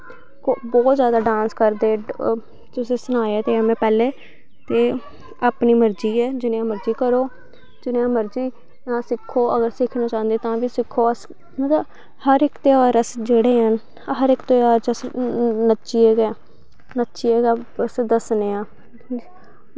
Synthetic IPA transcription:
kobɔːt̪zjaːd̪aːɖãːnskəɾd̪eː | t̪ʊsẽːsʊnaːeɛːt̪eːəmẽːpɛːleː | t̪eː | apniːməɾd͡ʒiːɛːd͡ʒɪnẽãːməɾd͡ʒiːkəɾoː | d͡ʒɪnẽːãːməɾd͡ʒiː | nãːsɪkʰːoːʔəɡəɾsɪkʰnãːt͡ʃãːə̃nd̪eːt̪ãːʋiːsɪkʰːoːəs | mət̪ləb | həɾɪkt̪eːaːɾəsd͡ʒeːɽeːɦən | ɦəɾɪkt̪eːaːɾd͡ʒəsnətːʃiːɛːɡɛː | nətːʃiːɛːɡəsd̪əsneːãː

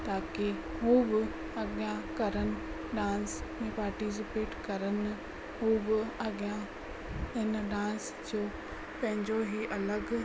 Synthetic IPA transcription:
t̪aːke | ɦuːbɪ | ɐɠjãkɐɾənɪ̆ | ɗãːnsmẽpaːɾʈis̬ɪpeːʈkɐɾənɪ̆ | ɦuːbɪɐɠijã | ɪnɗãːns | d͡ʑoː | pɐ̃ɦɪ̃ɲd͡ʑoɦiʔɐləɡ

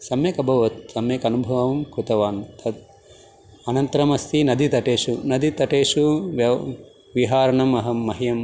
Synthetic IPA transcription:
sɐmjekɐbʱɐʋɐt̪̚sɐmjekɐnubʱɐʋɐʋɐmkɾut̪ɐʋaːnt̪ɐd̪̚ | ɐnɐnt̪ɐɾɐmɐst̪inɐd̪it̪ɐʈeːʃunɐd̪it̪ɐʈeːʂuʋɐ | ʋiɦaːɾɐɳɐmɐɦɐmːɐɦijɐm

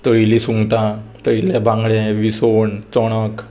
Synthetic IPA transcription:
t̪əɭilisuŋɡʈãt̪əɭilɛbʱãŋɡɭẽʋisoɳt͡sɔɽ̃ək

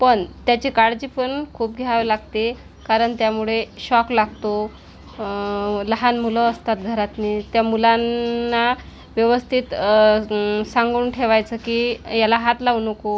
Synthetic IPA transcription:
pəɳt̪jat͡ɕikaɽd͡ʑiːpəɳkʰuːp̚ɡʱeɭaʋlaɡt̪e | kaɾəɳt̪jamuɭeɕɔklaɡt̪o | ləɦanmuləːst̪at̪̚ɡʱəɾat̪niːt̪jamulanːa | ʋjəʋəst̪ʰit̪ | sãŋɡuːnʈʰeʋajt͡səkiːjalaɦat̪launəko

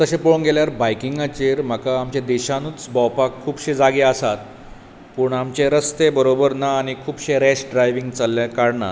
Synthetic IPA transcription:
t̪əɕẽponɡeljaɾbajkiŋɡat͡ɕeɾm̤əkaamt͡ɕad̪eɕãnuːt͡sbawpakʰːuːbɕed͡zaɡeasat̪ | puɳamt͡ɕeɾəst̪ebəɾobəɾnaːɽ̃ikʰuːbɕeɾɛɕɖɾajʋiŋɡt͡salːjakaɽɳa̰

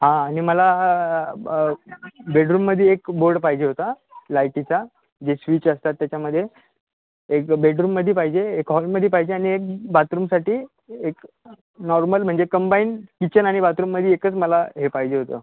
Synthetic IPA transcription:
ɦãːɽ̃iməla | beɖɾuːmːəd̪ʱːjeekboɾɽpaɦid͡ʑeɦot̪a | lajʈit͡sa | d͡ʑesʋiːt͡ɕəst̪at̪ːjat͡ɕjaməd̪ʱːje | ekbeɖɾuːmːəd̪ʱːipaɦid͡ʑeːkɦɔlməd̪ʱːepaɦid͡ʑeaɽ̃iek̚bat̪ɾuːmsaʈiː | ek | nɔɾməlm̤əɳd͡zekəmbaiːnkit͡ɕənaɽ̃ibat̪ɾuːmːəd̪ʱjiekət͡sməlaɦepaɦid͡ʑeɦot̪ə̰ː

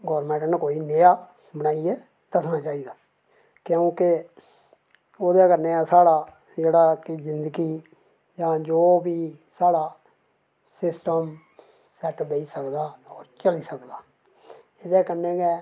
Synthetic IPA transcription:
ɡɔːɾmẽːɳʈnkoːiːnejaː | bənaːieː | d̪əsnaːt͡ʃaːiːd̪aː | kjõũːkɪ | oːd̪eːkəɾneːaːsaːɽaː | d͡ʒeːɽaːkɪzɪnd̪əɡiː | d͡ʒãːd͡ʒoːbiː | saːɽaː | sɪsʈəm | sɛʈbeiːsəkd̪aːɔːɾt͡ʃəliːsəkd̪aː | ɪd̪ɛːkənːeːɡɛː

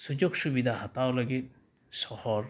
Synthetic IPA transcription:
sud͡ʒuɡsubid̪ʱahɐt̪awlɐɡit̪̚ | sɔhɔɾ

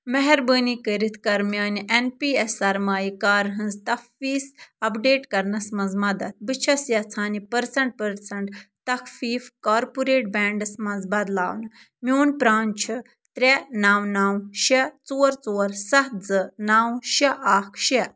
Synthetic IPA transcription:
mɐɦɛɾbəːnikəɾit̪ʰkɐɾmiɐːniʔenpiːesɐɾmaːjikaːɾɦɐ̃nzt̪ɐkfiːsɐpɖeːʈkɐɾnɐsmɐnzmɐd̪ɐt̪̚bɨt͡ʃʰɐsjɐt͡sʰaːnipɐɾsɐɳʈ̚pɐɾsɐɳʈ | t̪ɐkʰfiːfkaːɾpuɾeːʈ̚bɛːɳɖɐsmɐnzbɐd̪la̰ːwnɨ | mʲoːnpɾaːnt͡ʃʰɨ | t̪ɾʲenaːwnaːwʃɐt͡soːɾt͡soːɾsɐɦd͡zɨnaːwʃɐʔaːkʰʃɐ

